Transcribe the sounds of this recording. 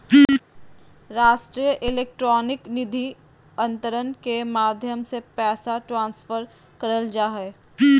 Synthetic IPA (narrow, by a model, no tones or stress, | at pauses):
ɾaːʃʈɾijəʔɪleːk̚ʈɾɔːnɪknɪd̪ʱi | ɐ̃nt̪əɾənkemaːd̪ʱjəmsepɛːsaʈɾãːnsfəɾ | kɐɾəld͡ʒaːɦɛː